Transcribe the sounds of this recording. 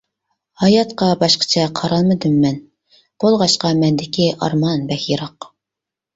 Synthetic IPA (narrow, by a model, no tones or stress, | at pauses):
hɑjɑt̪qɑbɑʃqʰə̥t͡ʃʰɛqʰɑɾɑlˠmɨd̪ɨmːɛn | b̥olˠʁɑʃqɑmɛnd̪ɪkʲiʔɑ̰ɾmɑnbɛxjeɾɑq